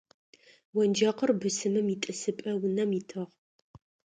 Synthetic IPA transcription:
wɐnd͡ʒɐqərbɨsɨmɨmitʼɨsɨpʼɐwʊnɐmitʰɨʁ

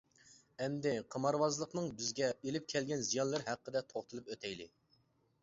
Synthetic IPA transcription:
ɛmd̪ɪqʰəmɑɾwɑzlˠəqnɨŋbɪzɡʲɛelɪp̚kʲʰɛlɡʲɛnzijɑnlˠəɾɦæqːəd̪ɛt̪ʰoχt̪ʰɨlˠɨpøt̪ʰɛjlɪ̰

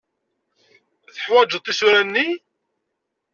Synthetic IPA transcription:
θəħwæd͡ʒət̪ˤːisʊɾænːi

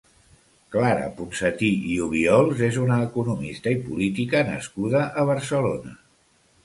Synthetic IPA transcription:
klaɾə̰punsət̪iiuβ̞iɔlˠzezunəːkunumist̪əipṵlit̪ikənə̰skuðəʔəβ̞əɾsəlonə

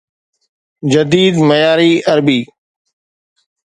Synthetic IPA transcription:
d͡ʒəd̪iːd̪məjaːɾiːəɾbiː

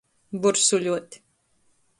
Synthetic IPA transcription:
buɾsuʎʲuɔt̪ʲi̥

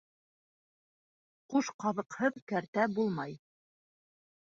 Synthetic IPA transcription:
quʃqɑðɤ̆qhɤðkæɾt̪æbulˠmɑj

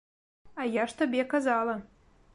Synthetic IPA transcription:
ajaʂt̪ɐbʲekɐzɑlˠɐ

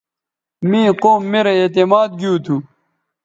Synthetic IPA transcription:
mĩːqoːmːeːɾɐeːt̪emaːd̪̚ɡijuːt̪ʰu

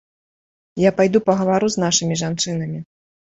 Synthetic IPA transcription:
japajd̪upɐɣɐvaɾuzn̪aʂɨmʲiʐant͡ʂɨnɐmʲi

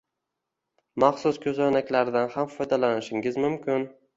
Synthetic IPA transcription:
maχsʊskʲʰɵzanakʲlaɾd̪anhamfɒjd̪alanɪʃɪŋɡɪzmʊmkʲʰɪn

